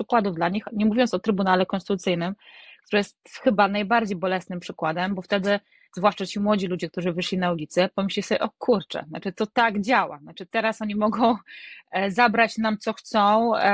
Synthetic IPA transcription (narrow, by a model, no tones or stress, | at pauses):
pʂɘkwad̪uvd̪laɲixɲɛmuvʲjɔnsɔt̪ɾɘbunalɛkɔnst̪ɘt̪ut̪sɘjnɘmk̚t̪uɾɛjɛst̪xɘbanajbaɾd͡ʑejbɔlɛsnɘmpʂɘkwad̪ɛmbɔft̪ɛd̪ɘ | zvwaʂt͡ʂat͡ɕimwɔd͡ʑilud͡ʑɛk̚t̪uʐɘvɘʂlʲinaulʲit̪sɛpɔmɘɕʲlʲisɔbʲɛʔɔkʰuɾt͡ʂɛ̰na̰t͡ʂɘt̪ɔt̪aɡd͡ʑawa̰nat͡ʂɘt̪ɛɾasɔɲimɔɡɔ̃w̃ | zabɾat͡ɕnamt̪sɔxt̪sɔ̃w̃